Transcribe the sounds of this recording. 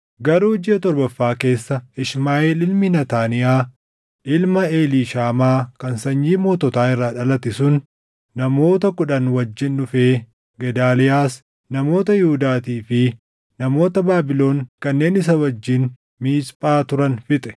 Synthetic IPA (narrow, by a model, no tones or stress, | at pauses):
ɡɐɾuːd͡ʒɪjɐt̪ɔɾbɐfːaːke̞ːsːɐɪʃmaːɪlɪlmɪnɐt̪aːnɪjaː | ʔɪlmɐeːliːʃaːmaːkɐnsɐɲːiːmoːt̪ɔt̪aːɪrːaːᶑɐlɐt̪ɪsʊn | nɐmo̞ːt̪ɐkʊᶑɐnwɐd͡ʒːɪnᶑʊfe̞ː | ɡɛd̪aːlɪjaːs | nɐmo̞ːt̪ɐjɪhʊd̪aːt̪iːfɪ | nɐmo̞ːt̪ɐbaːbɪlo̞ːŋkɐnːe̞ːnɪs̬ɐwɐd͡ʒːɪn | miːspʼaːt̪ʊɾɐnfɪt̪ʼɛ̥